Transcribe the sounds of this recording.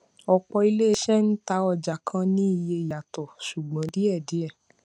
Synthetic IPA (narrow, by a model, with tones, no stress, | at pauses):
ɔ˧k͡pɔ˧i˧le˦˧ʃɛ˦n̩˦ta˧ɔ˧d͡ʒa˨kʰã˦nĩ˦i˧je˧˨ja˨tɔ˨ʃu˨ɡ͡bã˨˦di˦ɛ˦˨di˨˦ɛ˦˨